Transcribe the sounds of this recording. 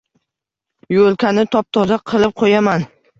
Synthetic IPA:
jolˠkʰʲanɪt̪ʰɒp̚t̪ʰɒzaqʰɨlˠɪp̚qʰojaman

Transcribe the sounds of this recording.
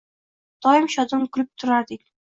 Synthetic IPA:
d̪̥ɒjɪmʃɒd̪ɨnkʰʊlɪp̚t̪ʰʊɾaɾd̪ɪkʲ

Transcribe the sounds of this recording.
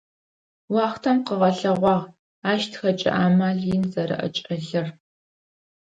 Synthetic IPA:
wɑːχtʰɐmqəʁɐɬɐʁʷɑːʁ | aːʃtʰxɐt͡ʃʼɪ̰ʔaːmaːɮɪnzɐɾɨ̰ʔɐ̰t͡ʃʼɐɮɨr

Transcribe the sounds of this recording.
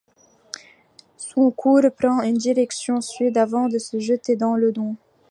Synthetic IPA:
sɔ̃kʰuʁpχɑ̃ynd̪iʁɛksjɔ̃sɥid̪avɑ̃d̪əsəʒət̪ed̪ɑ̃ləd̪ɔ̃

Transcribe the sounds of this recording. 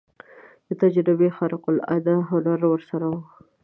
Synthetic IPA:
d̪̥ət̪ad͡ʒɾɪbexaɾɪqʊla̰d̪aɦalaɾwəɾsaɾawə

